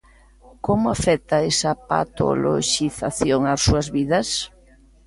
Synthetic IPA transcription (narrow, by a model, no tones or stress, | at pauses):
komʊafɛk̚t̪aesapa̰t̪o̰lo̰ʃiθaθjoŋasuɐzβiðɐs